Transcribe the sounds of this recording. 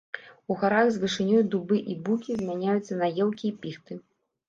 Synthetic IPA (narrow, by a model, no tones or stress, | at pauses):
uɣaɾaɣzvɨʂɨnʲɔjd̪ubɨʔibukʲizʲmʲanʲajut̪sːɐnajɛwkʲiːpʲixt̪ɨ